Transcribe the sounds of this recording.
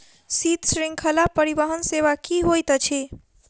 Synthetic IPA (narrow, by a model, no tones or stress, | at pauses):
sit̪sɾĩŋkʰəlapəɾibəɦənseʋakiɦojt̪t͡ʃʰi